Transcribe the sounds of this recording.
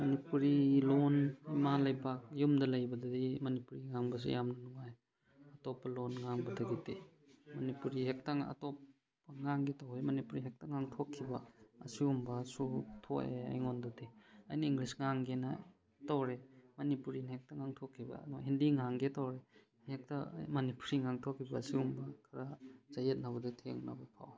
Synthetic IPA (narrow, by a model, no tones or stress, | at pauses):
mɐnipuɾilonimalɐjpak̚jumdɐlɐjbɐdɐdimɐnipuɾiŋaŋbɐs̬ṵjamnɐnuŋaj | ɐtopːɐlonŋaŋbɐdɐɡitemɐnipuɾiɦek̚tɐŋɐ̰topː | ɐŋaŋɡetɐwɾemɐnipuɾiɦek̚tɐŋaŋtʰokʰːibɐːsiumbɐsutʰokḛɐ̰jŋondodeɐjniiŋɡlisŋaŋɡena | tawɾemɐnipuɾinhek̚tɐŋaŋtʰokʰːibɐ̰nɔɦindiŋaŋɡetawɾe | hek̚tɐ̰mɐnipuɾiŋaŋtʰokʰːibɐːsiumbɐkʰaɾazajet̚naβɐditʰḛŋna̰bɐpʰa̰w